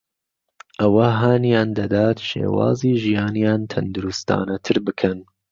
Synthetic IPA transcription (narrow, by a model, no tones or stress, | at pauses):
ʔɐwɐɦaːnijɑːnd̪ɐd̪ɑːt̪ʃḛːwɑ̰ːziːʒijɑːnijɑːnt̪ʰɐnd̪uɾust̪ɑ̰ːnɐt̪ʰɨɾbɨkʰɐn